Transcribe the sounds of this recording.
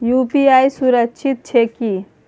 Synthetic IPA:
jupiajsuɾəkt͡ʃʰit̪̚t͡ʃʰeki

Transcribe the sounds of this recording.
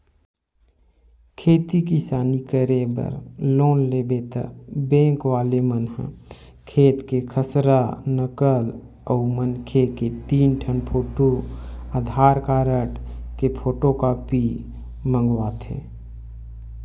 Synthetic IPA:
kʰeːt̪ikisaːnikəɾebə̰ɾloːnlebet̪ə̰bẽːŋkʋaːlemənɦə̰̃ | kʰeːt̪kekʰəsɾanəkəl | əːmənkʰeket̪iːnʈʰənpʰoːʈoaːd̪ʱaːɾkaːɾəʈkepʰoːʈokaːpi | mə̃ŋɡwaːt̪ʰḛː

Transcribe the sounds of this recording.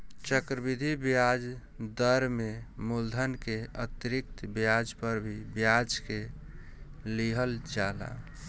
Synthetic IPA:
t͡ʃəkɾəbid̪ʱibjad͡ʒ | d̪əɾmemuld̪ʱənkeət̪iɾik̚t̪bjad͡ʒpəɾbʱibjad͡ʒke | liɦəld͡ʒala̰

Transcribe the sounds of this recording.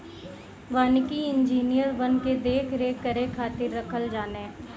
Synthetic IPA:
ʋankiɪ̃nd͡ʒiːnijəɾʋənked̪eːkʰɾeːkəɾekʰːaːt̪ɪɾːəkʰəld͡ʒaːneː

